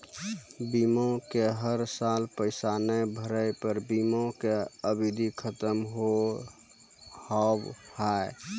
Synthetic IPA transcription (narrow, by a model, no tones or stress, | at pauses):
bimõkeɦəɾsalpəɪsanebʱəɾəjpəɾbimõkeəbid̪ʱikʰət̪əmɦo | habhae